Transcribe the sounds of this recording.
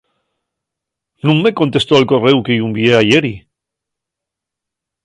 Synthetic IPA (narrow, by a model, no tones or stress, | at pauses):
nũŋme̞ko̞nt̪e̞st̪oalko̞re̞wkejumbjeaʝe̞ɾi